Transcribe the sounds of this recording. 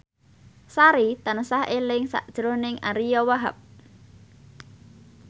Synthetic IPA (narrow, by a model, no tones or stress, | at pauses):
saɾit̪anəsaɦelɪŋsa̰ʔd̥ʒ̥ɾonɪŋa̰ɾijɔwaɦa̰p̚